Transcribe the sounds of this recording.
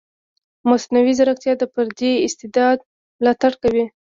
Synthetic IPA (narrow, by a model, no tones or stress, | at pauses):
masnawizaɾakt̪jɑd̪əpəɾd̪eɪst̪ɪd̪ɑd̪ | mlɑt̪aɽkawi